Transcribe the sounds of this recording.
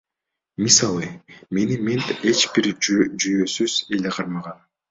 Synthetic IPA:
misɑlˠɯme̞niment̪e̞t͡ʃbiɾd͡ʒyjø̞syz̥eleqʰɑɾmɑʁɑn

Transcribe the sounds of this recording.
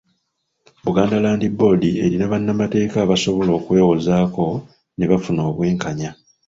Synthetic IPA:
βuɡaːndalaːndibo̞die̞̰ɾinaβanːamate̞ːkaβaso̞βo̞lo̞ːkwe̞ːwo̞zaːko̞ | ne̞βafuno̞ːβwe̞ːŋkaɲa

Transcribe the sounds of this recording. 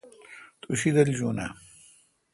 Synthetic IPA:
t̪ʰuɕid̪ɐld͡ʑuna̰

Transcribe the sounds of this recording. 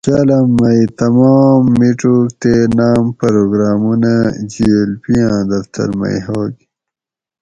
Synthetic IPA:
t͡ɕalɐmːɐjt̪ɐmaːmːiʈok̚t̪enaːmpɐɾoɡɾaːmunad͡ʑielpijãːd̪ɐft̪ʰɐ̰ɾmɐ̰jɦoːɡ

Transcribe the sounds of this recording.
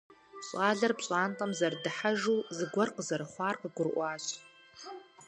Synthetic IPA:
ɕʼaːɮarpɕʼaːnqʼamzardɨħaʒuzɨɡʷɔrqʼəzarχʷaːrqʼəɡʷʊrʔʷaːɕʷʰ

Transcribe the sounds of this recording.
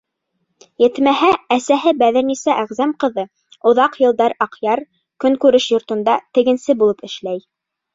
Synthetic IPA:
jɘ̆t̪mæɦæːsæɦɘbæðɘ̆ɾnisæʔæʁzæmqɤ̆ðɤ | ŏðɑqjɤ̆lˠd̪ɑɾɑqjɑɾ | kɵŋkʉɾɘʃjŏɾt̪ŏnd̪ɑt̪ɘ̆ɡɘ̆nsɘbulˠɤpɘ̆ʃlæj

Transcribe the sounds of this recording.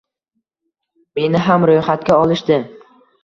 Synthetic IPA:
me̞nɪɦamɾojχat̪̚kʲaɒlˠɪʃd̪ɪ

